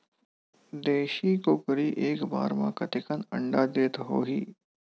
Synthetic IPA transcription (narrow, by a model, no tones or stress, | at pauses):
d̪eːʃikokɐɾiʔeːkba̰ːɾmã̰kɐt̪ɪkənɐ̰̃ɳɖad̪eːt̪ɦo̰ːɦiː